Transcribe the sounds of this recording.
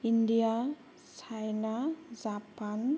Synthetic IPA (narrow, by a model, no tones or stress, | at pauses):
indija | t͡ʃʰajnazapan